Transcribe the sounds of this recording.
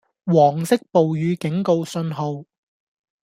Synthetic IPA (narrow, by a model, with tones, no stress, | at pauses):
wɔː˨˩ŋsɪ˥k̚po˨wjyː˨˧kɪ˨˥ŋko˧wsɵ˧nɦo˨˧w